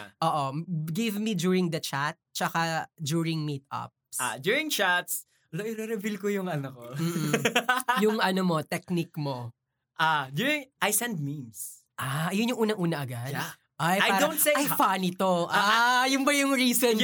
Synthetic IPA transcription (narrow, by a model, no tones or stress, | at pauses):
ʔoːʔoɡɪvmid͡ʒuːɹɪŋd̪ɐt͡ʃat̪̚t͡ʃɐkad͡ʒuːɹɪŋmit̪ɐ̰p̚sa̰d̪juɹɪ̃ŋt͡ʃat̪s | ɐloʔɪɾɛɾɛbilkojʊŋɐnɐkom̩ː | jʊŋʔɐnomo̞t̪ɛk̚nikmo | ʔad͡ʒjuɹɪŋʔajsɛ̃nd̪̚mims | ʔajʊnjʊŋʔuːnɐŋʔuːnɐʔɐɡad̪ | ʔajajaːɾonseajfanɪt̪oʔajʊnbɐjʊŋɹiːson